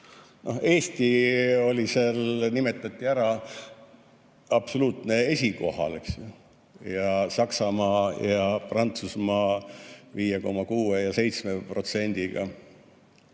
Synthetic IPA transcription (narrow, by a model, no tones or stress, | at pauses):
no̞̰he̞ːst̪io̞lʲiselnime̞t̪ˑːɑt̪ʲːiæɾɑ | ɑpso̞luːt̪ne̞e̞sʲiko̞hɑ̰leks | jɑsɑksɑmɑːjɑprɑnt̪susmɑːviːjeko̞mːɑkuːejɑse̞jt̪smepro̞t̪se̞nʲd̪̥iɡ̥ɑ̰